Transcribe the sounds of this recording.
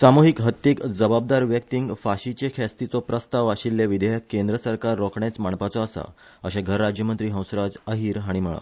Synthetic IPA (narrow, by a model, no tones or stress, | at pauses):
samoɦikɦət̪ːjikd͡zəbab̚d̪aɾʋjək̚t̪iŋɡfaɕit͡ɕekʰɛst̪it͡sɔpɾəst̪aʋaɕilːjeʋid̪ejəkːẽnd̪ɾəsəɾkaɾːɔkɳet͡smaɳpat͡sɔəsa̰ | əɕeɡʱəɾːad͡ʑjəmənt̪ɾiːɦə̃w̃sɾad͡zəɦiːɾɦaɽ̃iməɭa̰